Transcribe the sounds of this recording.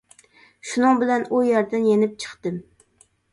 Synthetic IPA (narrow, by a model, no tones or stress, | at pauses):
ʃunɨŋbɪlɛnujɑɾd̪ɨnjenɪp̚t͡ʃʰə̥χt̪ɨm